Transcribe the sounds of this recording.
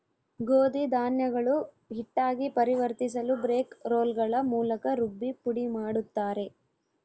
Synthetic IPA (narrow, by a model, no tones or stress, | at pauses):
ɡoːd̪id̪aːnjɐɡɐɭu | ɦiʈːaːɡipɐɾiʋɐɾt̪is̬ɐlubɾe̞ːkɾoːlɡɐɭɐmuːlɐkɐɾubːipuɽimaːɽut̪ːaːɾe̞